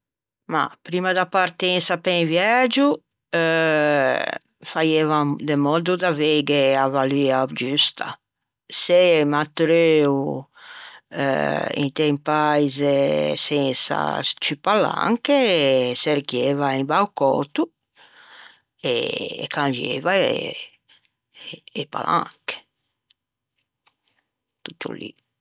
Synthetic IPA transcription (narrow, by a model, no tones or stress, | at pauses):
ma̰pɾimad̪apaɾt̪ɛ̃nsapẽnvjad͡ʒu | fajevad̪emɔd̪ud̪aveɡeavaliad͡ʒyst̪a̰ | semat̪ɾøu | ḭ̃nt̪empajzesɛnsa̰t͡ʃypala̰ŋkeseɾkjeːvaimbawkɔ̰t̪u | ḛkãnd͡ʒḛvaḛ | pa̰la̰ŋke̥ | t̪ut̪ʰːṵlḭ